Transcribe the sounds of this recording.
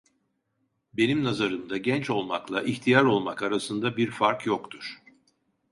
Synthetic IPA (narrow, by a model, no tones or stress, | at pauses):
be̞nimnazaɾɯmd̪aɟɛnt͡ʃo̞lˠmaklˠaʔiçt̪ʰijaɾo̞lˠmakaɾasɯnd̪abiɾfaɾkjokt̪ʰuɾ̥